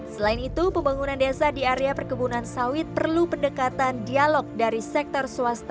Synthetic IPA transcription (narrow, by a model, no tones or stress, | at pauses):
səlaɪnit̪upəmbaŋunandesadiaɾeapərkəbunansawɪt̪̚pərlupəndəkat̪andialɔk̚daɾisɛk̚t̪ɔrsuast̪a